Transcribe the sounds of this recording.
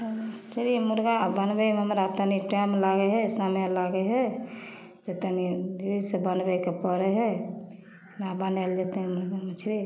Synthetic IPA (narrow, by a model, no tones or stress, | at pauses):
t͡ʃʰɾimuɾɡabənbɛmɦəmɾat̪əniʈamlaɡɛɦɛsamalaɡɛɦɛ | d͡ʒet̪ənid̪ibid̪sebənbɛkepəɾɛɦɛ | nabənald͡ʒat̪ɛɦɛmuɾɡamət͡ʃʰɾi